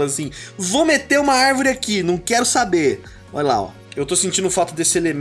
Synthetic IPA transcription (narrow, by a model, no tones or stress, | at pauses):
ɐsĩvomet̪eũmɐaɾvoɾɪakinɐ̃w̃kɛɾʊsabe | ɔ̰ʎla̰ɔ̰ | ewt̪osẽnt͡ʃĩnʊfat̪ʊd̪esɪelem